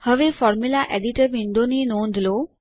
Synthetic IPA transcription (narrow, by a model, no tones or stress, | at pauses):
həʋefɔːɾmulaʔeɖiʈəɾʋinɖ̪oninõːnd̪lo